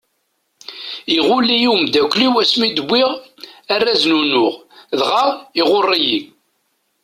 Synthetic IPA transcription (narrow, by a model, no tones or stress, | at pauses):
iʁʊlːijumd̪ækʷːliwæsmid̪əbʷːiʁærːæznunʊʁðʁaʁiʁorˤːiji